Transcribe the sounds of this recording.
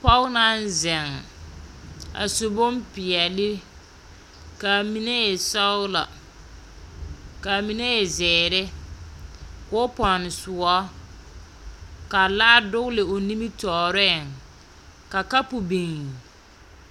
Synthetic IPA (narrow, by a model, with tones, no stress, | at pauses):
pɔ˦wna˦n˦zɛ˨ŋ | a̰˨sʊ˨bʊ˦mpɪ˨ɛ˨lɪ˦ | ka˨mi˦ne˦jɛ˨sa˦wʊ˦la̰˨ | ka˨mi˨ne˦jɛ˨zɛː˨ɾɪ˦ | kːpɔ˨n˨su˨ɔ˦ | ka˨laː˦dʊ˦ɣlɪ˨o˨ni˦mi˦tɔː˨ɾɛ˦˨ŋ | ka˨ka˦pu˨bi˨ŋ˨